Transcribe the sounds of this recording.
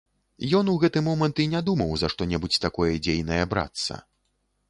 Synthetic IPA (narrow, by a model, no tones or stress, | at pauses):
jɔnuɣɛt̪ɨmɔmɐnt̪inʲad̪umɐwzɐʂt̪ɔnʲɛbut͡sʲt̪akɔjɐd͡zʲejnɐjɐbɾa̰t̪sːɐ̰